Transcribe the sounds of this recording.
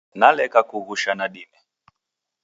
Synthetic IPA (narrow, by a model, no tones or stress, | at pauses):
nalɛkakuɣuʃanaɗinɛ